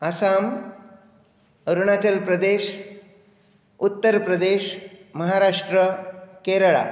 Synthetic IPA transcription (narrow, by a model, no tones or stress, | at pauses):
əsam | əɾuɳ̃at͡ɕəlpɾəd̪eɕ | ut̪ːəɾpɾəd̪eʃməɦaɾaʂʈɾəkeɾɭa̰